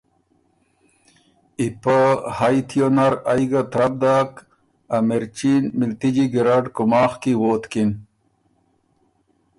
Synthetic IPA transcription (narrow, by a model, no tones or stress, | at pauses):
ipəhajt̪ʰjonaɾajɡat̪ɾɐb̚d̪aːk | ameɾt͡ɕinmilt̪id͡ʑiɡiɾaɖkumaːχkiwoːt̪kin